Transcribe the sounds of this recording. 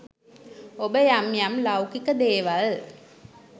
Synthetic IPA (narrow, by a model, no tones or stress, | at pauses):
obəjamjamlawkikəd̪eːʋal